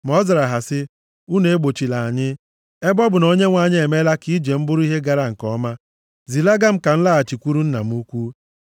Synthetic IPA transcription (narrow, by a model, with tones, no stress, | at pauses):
m˨ɔ˦za˨ɾa˨ɦa˨sɪ˦ | u˦ne˨e˦ɡ͡bo˨t͡ʃi˨la˨a˨ɲɪ˦ | e˦bɔ˦bʊ˨no˦ɲe˦ŋʷa˨ɲɪ˦e˨me˦la˦ki˦d͡ʒe˨m̩˦bʊ˦ɾi˦ɦe˦ɡa˨ɾa˦ŋ̩˨kɔ˦ma˦ | zi˨la˦ɡa˦m̩˦ka˨n̩˦la˦a˨t͡ʃi˨kʷu˦ɾu˦n̩˦na˨m̩˦u˦kʷu˦